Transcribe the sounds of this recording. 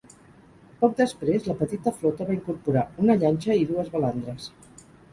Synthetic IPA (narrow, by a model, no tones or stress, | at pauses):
pɔk̚d̪əspɾezləpət̪it̪əflɔt̪əβaiŋkuɾpuɾaunəʎanʲt͡ʃəiðuəzβəland̪ɾəs